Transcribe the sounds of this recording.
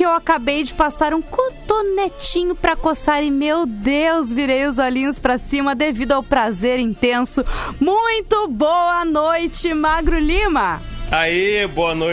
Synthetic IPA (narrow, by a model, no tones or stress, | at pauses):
ɪewakabejd͡ʒɪpasaɾũkoɾt̪onet͡ʃĩɲʊpɾɐkosaɾɪmewd̪ewzviɾejʊzɔlĩɲʊspɾɐsĩmɐd̪evid̪ʊawpɾazeɾĩnt̪ẽsʊmũj̃t̪ʊbowɐnojt͡ʃɪmaɡɾʊlĩmɐaiboɐno